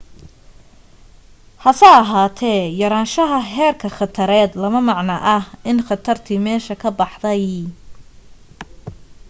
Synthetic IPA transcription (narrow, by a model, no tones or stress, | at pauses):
hɐsɛːɐɦaːt̪ʰɛːjɐɾaːnʃɐɦɐɦɛːrkʰɐχɑt̪ʰɐɾɛːd̪lɐmɐmɑʕnɐʔɐhʔɪnχɑt̪ʰɐrt̪ʰiːmɛːʃɐkʰɐbɑħd̪ɐj